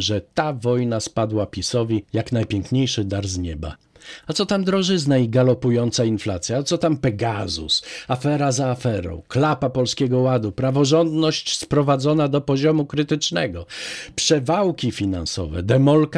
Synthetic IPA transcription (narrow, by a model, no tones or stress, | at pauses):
ʐɛt̪avɔjnaspad̪wapʲisɔvʲijaknajpʲjɛŋkɲejʂɘd̪aɾzɲɛba̰ | at̪sɔt̪amd̪ɾɔʐɘznaiɡalɔpujɔnt̪sainflat̪sʲjat̪sɔt̪ampɛɡazṵsafɛɾazaːfɛɾɔ̰̃w̃klapapɔlskʲɛɡɔwad̪upɾavɔʐɔnd̪nɔɕt͡ɕspɾɔvad̪zɔnad̪ɔpɔʑɔmukɾɘt̪ɘt͡ʂnɛɡɔpʂɛvawkʲifʲinansɔ̰vɛ̰d̪ɛmɔlk